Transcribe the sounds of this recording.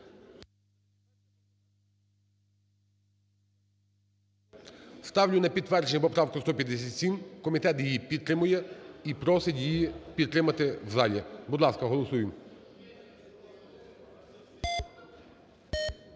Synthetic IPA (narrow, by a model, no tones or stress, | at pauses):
st̪aʋlʲʊnɐpʲit̪ːʋɛɾt͡ʃnʲɛpɔpɾawkɔst̪ɔpʲjɐd̪ɛsʲat̪ʲsʲimkɔmʲit̪ɛt̪jjipʲit̪ːɾɪmʊjɛipɾɔsɛt̪ʲjjipʲit̪ːɾɪmɐt̪ɛʋzalʲɛbud̪lˠaskɐɦɔlˠɔsujɪm